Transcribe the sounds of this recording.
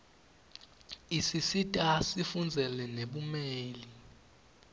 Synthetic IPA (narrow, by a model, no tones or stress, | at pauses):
isisitʼasifund͡zʱɛlɛneɓumeːli